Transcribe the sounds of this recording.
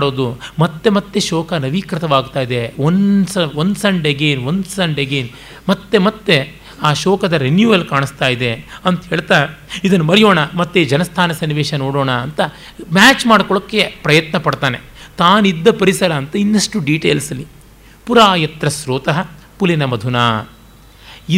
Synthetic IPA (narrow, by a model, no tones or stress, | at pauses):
ɽoːd̪umɐt̪ːe̞mɐt̪ːeʃɔːkɐnɐʋiːkɾɐt̪ɐʋaːɡ̚t̪aːjid̪e̞onsɐʋond̪sɐɳɖeɡeːnʋond̪sɐɳɖeɡeːn | mɐt̪ːe̞mɐt̪ːe̞ | aːʃɔːkɐd̪ɐɾenjuːʋɐlkaːɳist̪aːjid̪e̞ɐnt̪ɦeːɭt̪aːid̪ɐnːumɐɾijoːɳɐmɐt̪ːed͡ʒɐnɐst̪ʰaːnɐsɐniʋeːʃɐnoːɽoːɳɐːnt̪ɐ | maːt͡ʃmaːɽkɔɭɐkːe̞pɾɐjɐt̪nɐpɐɽt̪aːne | t̪aːnid̪ːɐpɐɾisɐɾɐːnt̪ɐinːɐʂʈuɖiːʈeːlsɐli | puɾaːjɐt̪ɾɐsɾoːt̪ɐɦɐ | pulinɐmɐd̪ʱunaː | i